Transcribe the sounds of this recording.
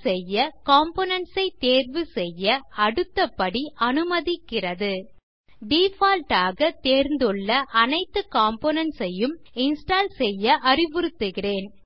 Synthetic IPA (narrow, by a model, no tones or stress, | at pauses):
sɛjːɐkaːmpoːnɐnsɐɪt̪eːrʋɯsɛjːɐɐɽɯt̪ːɐpːɐɽiʔɐnɯmɐðɪkːɪrɐðɯ | ɖiːfaːlʈaːɣɐt̪eːɾnd̪ɯɭːɐʔɐnɐɪt̪ːɯkaːmpoːnɐnsɐjɯmɪnsʈaːlsɛjːɐʔɐrɪʋʊɾɯt̪ːɯɣɪreːn